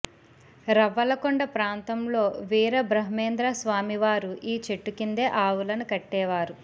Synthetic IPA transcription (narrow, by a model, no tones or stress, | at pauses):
ɾɐʋɐlɐkoɳɖɐpɾaːnt̪ɐmlo̞ːʋiːɾɐbɾɐɦɐmeːnd̪ɾaːsʋaːmiʋaːɾuʔiːt͡ʃeʈːukind̪e̞ːʔaːʋulɐnukɐʈːɛːʋaːɾu